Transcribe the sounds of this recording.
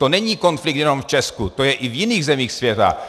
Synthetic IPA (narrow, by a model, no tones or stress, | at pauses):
t̪onɛɲiːkonfliɡ̪̚jɛnomft͡ʃɛskut̪ojɛʔivjiniːɣzɛmiːxsvjɛt̪a̰